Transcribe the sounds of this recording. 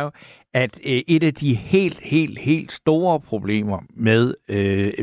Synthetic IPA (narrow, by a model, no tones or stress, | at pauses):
æd̥ʔe̝d̥æd̥ihe̝̰ːld̥he̝̰ːld̥he̝̰ːld̥sd̥o̝ːɐpʰʁo̝b̥le̝̰ːmɐmeðˠ